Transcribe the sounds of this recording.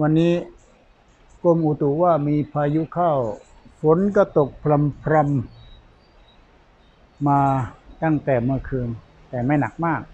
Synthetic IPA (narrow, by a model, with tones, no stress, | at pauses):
wa˧nːiː˦˥ | ko˧mʔu˨˩t̪u˨˩waː˥˩miː˧pʰaː˧ju˦˥kʰa˥˩w | pʰo˩˦nka˧˥˩t̪o˨˩k̚pʰɾa˧mpʰɾa˧m | aː˧t̪a˥˩ŋt̪ɛː˨˩mɯ˧əkʰɯː˧ŋ | t̪ɛː˨˩ma˥˩jna˨˩k̚maː˥˩k̚